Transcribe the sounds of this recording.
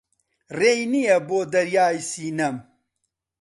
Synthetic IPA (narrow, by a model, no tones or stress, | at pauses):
reːjnijɛboːd̪ɐɾjaːjsiːnɐm